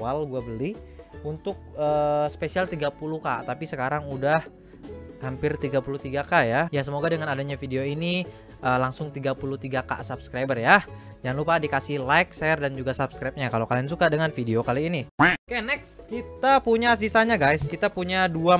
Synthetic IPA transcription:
alɡuabəliunt̪ʊk̚əːsə̥pesialt̪iɡapuluka̰ʔt̪apisəkaɾaŋudah | hampɪrt̪iɡapuluht̪iɡakajajasəmoɡadəŋanadaɲafideoini | ʔəːlaŋsʊŋt̪iɡapuluht̪iɡaka̰sabskɾabərja | jaŋlupadikasihlajk̚sɛrdand͡ʒuɡasabskɾajp̚ɲakalokaliansukadəŋanfideokaliːnikenɛkskit̪apuɲas̬isaɲaɡajskit̪apuɲadua

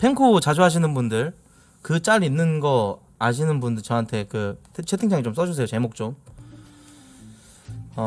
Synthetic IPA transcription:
pʰe̞ŋkʰot͡ɕad͡ʑoɦaɕ̬ʰinɯnbundɯɭ | kɯt͡ɕ͈aɾinːɯnɡʌ | aɕ̬ʰinɯnbundɯɭt͡ɕʌɦantʰe̞kɯtʰt͡ɕʰetʰɯŋd͡ʑaŋit͡ɕoms͈ʌd͡ʑus̬ʰe̞jot͡ɕe̞mok̚t͡ɕ͈om | ʌ

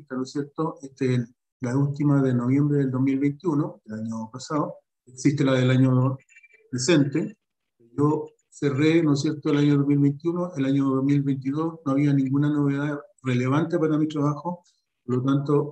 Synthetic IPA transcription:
t̪anosjeɾt̪oʔet̪eː | ault̪imaðenoβje̞mbɾeðeld̪oɦmilβejnt̪junodelaɲopasao | eksist̪elaðelaɲo | pɾese̞nt̪e | ʝo | serenosjeɾt̪oelaɲoðomilβejnt̪ijunoʔelaɲoðoɦmilβejnt̪̬iðo̞snoaβianĩŋɡunano̞βeðarele̞βant̪epaɾamitɾaβaxo | poɾlot̪ant̪o

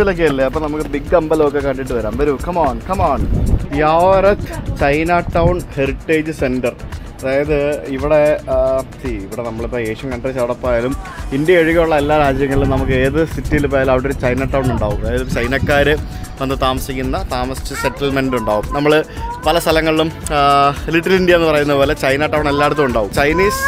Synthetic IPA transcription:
ʋilɐk̬ːeɐlːeɐpːonɐmukːɨbiɡːɐmbɐloːkːekːɐɳɖiʈ̬ːɨʋɐɾaːmbɐɾukɐmaːɳkɐmaːɳjaːʋɾɐt̪ʰt͡ɕɐjnaːʈːɐwɳheriʈːe̞ːd͡ʑɨse̞ndɐr | ɐðaːjɐðɨiʋiɽe̞ | t̪iiʋiɽenɐmːɐɭpːɐeːʂɐmkɐɳɖeːt͡ɕːɐʋɐɽɐpːaːjaːlumindjɐeɻuɣɐjuɭːɐelːaːɾaːd͡ʑjɐŋːɐɭiɭumnɐmuk̬ːɨe̞ːðɨsitːijilupːoːjalɐʋɐɽeoɾt͡ɕɐjnaːʈːɐwnuɳɖaːʋumɐðaːjɐðumt͡ɕɐjnɐkːaːɾɨ | ɐnd̪ɨt̪aːmɐsikʲːunːɐt̪aːmɐsi̥t͡ɕːɐseʈːɐlme̞nduɳɖaːʋumnɐmːɐɭ | pɐlɐst̪ʰɐlɐŋːɐɭlum | liʈːɐrɐlindijɐenːɨpɐrɐjunːɐðɨpoːlet͡ɕɐjnaːʈːɐwɳelːaːjeɽut̪̬ːɐmuɳɖaːʋumt͡ɕɐjniːs

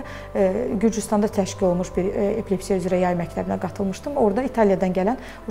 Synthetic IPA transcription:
ɟyɾd͡ʒyst̪ɑnd̪ɑt̪ʰæʃcilo̞lˠmuʃbiɾepʰlepsijæyzɾæjɑjmæclæɾinæɡɑt̪ʰɯlˠmɯʃt̪ɯmo̞ɾd̪ɑit̪ʰɑlˠijɑd̪ɑnɟælæn | u

